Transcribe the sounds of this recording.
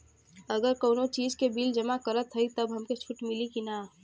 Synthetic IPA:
əɡəɾkəːnot͡ʃiːzkebiːld͡ʒəmakəɾət̪ʰɦəit̪əbɦɐmket͡ʃʰʊʈmɪlikinaː

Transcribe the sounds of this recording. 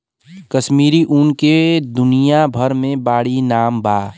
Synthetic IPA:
kəʃmiːɾiʔunked̪ʊnijabʱəɾmẽbaːɽinaːmbaː

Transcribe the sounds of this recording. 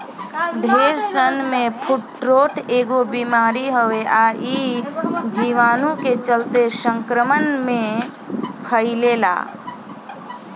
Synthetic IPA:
bʱeːɾsənmẽpʰuʈɾoːʈeːɡobimaːɾiɦəʋeʔaʔi | d͡ʒiʋaːnũket͡ʃəlt̪esə̃ŋkɾəmənmẽ | kʰəilela̰ː

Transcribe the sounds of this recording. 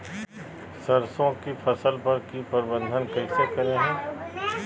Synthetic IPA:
sɐɾsõkifʰɐsəlpɐɾkipəɾbə̃nd̪ʱənkɛːsekɐɾeɦɛ̃ː

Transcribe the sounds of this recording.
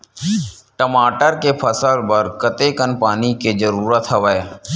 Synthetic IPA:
ʈəmaːʈəɾkepʰəsəlpəɾkət̪ekənpaːniked͡ʒəɾuːɾət̪ɦəʋəe

